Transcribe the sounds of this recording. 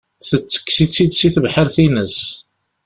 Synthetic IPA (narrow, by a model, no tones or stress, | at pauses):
θət͡sːə̥kːsit͡sːid̪siθəvħəɾθinəs